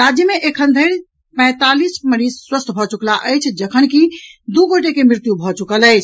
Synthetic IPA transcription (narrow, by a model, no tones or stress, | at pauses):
ɾad͡ʒjəmeʔekʰənd̪ʱəɾ | pə̃ɪ̃t̪alisməɾid͡ʒswəst̪ʰbʱɔt͡ʃuklaʔəjt͡ʃʰd͡ʒəkʰənkid̪uɡoʈekemɾit̪jubʱɔt͡ʃukələjt͡ʃʰ